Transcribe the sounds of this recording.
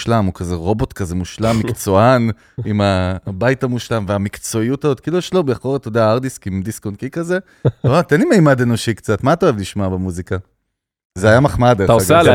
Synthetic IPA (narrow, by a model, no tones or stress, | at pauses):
ʃlamukazeʁo̞bo̞t̪kazemuʃlamːikt͡so̞an | imabajtamuʃlamveamikt͡so̞iutazot̪̚kiːlujɛʃlobeaχo̞ʁetodeaaʁdiskimd̪iskonkikaze̞ | ot̪enlimejmadeno̞ʃikt͡satmaːtaoevliʃmabemuzika | zeajamaχmadeɡe